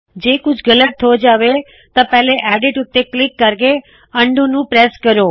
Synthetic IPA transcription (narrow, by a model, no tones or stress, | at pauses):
d͡ʒeːkʊd͡ʒʱɡɐləʈ̚t̪ʰod͡ʒaːʋe | t̪ɐpɛɦleʔɛːɖɪʈʊt̪ːeklɪkːəɾke | ə̃ɳɖũnũpɾeːskəɾoː